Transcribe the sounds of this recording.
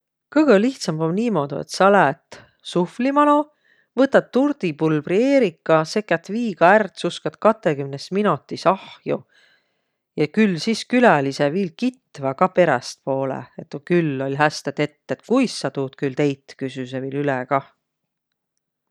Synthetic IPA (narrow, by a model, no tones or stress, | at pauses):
kɤɡ̥əliht̪sɑmbomniːmo̞d̪̥ṵḛt̪sɑlæt̪ | suflimɑno | vɤt̪ːˑɑt̪ːurd̪̥ipulbrie̞ːɾikːˑɑse̞kːˑæt̪ːˑviːɡ̥ɑært̪suskɑd̪̥kɑt̪ːekymnesminot̪ːˑisɑhju | jɑkylːsiskylæliseviːlkit̪ːvɑkɑpe̞ɾɛst̪̚po̞ːlḛet̪ːˑokylːo̞lʲɦæst̪et̪e̞t̪ːet̪kujsːɑt̪uːt̪kylt̪e̞jt̪kysysevilyleɡ̥ɑ